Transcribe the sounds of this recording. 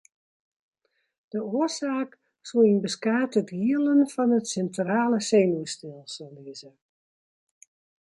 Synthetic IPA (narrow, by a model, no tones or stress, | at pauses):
d̥əoəsaːk | suinbəskaːtətɡiəlˠənfɔnətsɛntraːləseːnuəstɪlˠsɔlˠdiəzə